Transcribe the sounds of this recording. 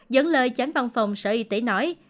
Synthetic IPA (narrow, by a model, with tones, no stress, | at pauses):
zə˨˦nləː˧jt͡ɕa˨˦nva˧nfa˨˩wŋ͡msəː˧ʔi˧˩t̪i˧˩nɔ˨˦j